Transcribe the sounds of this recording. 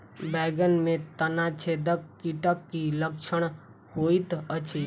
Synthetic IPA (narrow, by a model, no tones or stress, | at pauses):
bɛɡənmẽt̪ənat͡ʃʰed̪əkːiʈəkːilək̚t͡ʃʰəɽ̃ | hoit̪ət͡ʃʰi